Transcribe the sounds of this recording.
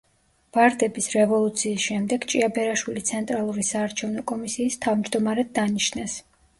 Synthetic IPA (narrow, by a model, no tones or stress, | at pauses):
v̥aɾd̪ɛbisɾɛvɔlˠut̪sʰiːsʃɛmd̪ɛɡt͡ʃʼiabɛɾaʃwilit̪sʰɛnt̪ʼɾalˠuɾisaːɾt͡ʃʰɛvnɔkʼɔmisiːst̪ʰavmd͡ʒd̪ɔmaɾɛd̪ːaniʃnɛs